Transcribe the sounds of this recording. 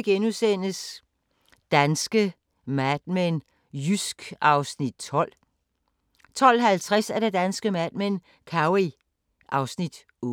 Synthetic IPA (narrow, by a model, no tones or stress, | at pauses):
ɡ̥enusen̰əs | d̥ænsɡ̥ə | mæd̥̚men | jysɡ̥ɑ̈ʊsnid̥̚t͡sʰɒl̰ | t͡sʰɒ̽l̰ɦælt͡sʰʁasæɐɾe̝d̥ænsɡ̥əmæd̥̚men | kʰɑ̈ʊi | ʔɑ̈ʊsnid̥ | ɔ